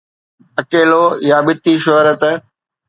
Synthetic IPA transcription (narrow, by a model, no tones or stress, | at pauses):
ɐkeːloːjaɓɪt̪ːiːʃoɦɾət̪